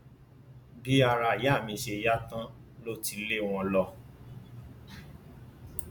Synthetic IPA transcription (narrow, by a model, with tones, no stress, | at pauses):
bi˦a˧ɾa˧˨ja˦˨mĩ˧ʃe˧ja˦tã˦lo˦ti˧˦le˦w̃ɔ̃˧lɔ˧